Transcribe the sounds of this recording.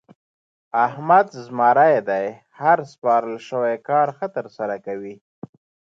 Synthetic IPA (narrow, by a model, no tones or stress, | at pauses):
ahmad̪zmɑɾajd̪aj | haɾspɑɾəlʃəwajkɑɾxət̪əɾsaɾakawi